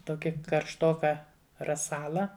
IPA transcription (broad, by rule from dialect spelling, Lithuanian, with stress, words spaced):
ˈtoːkʲɪ kɐrʃˈtoːkɐ rɐˈsɑːlˠɐ